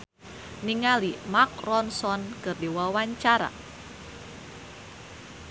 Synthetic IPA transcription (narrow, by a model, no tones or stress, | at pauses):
niŋalimak̚rɔnsɔnkɨrdiwawaɲt͡ʃaɾa̰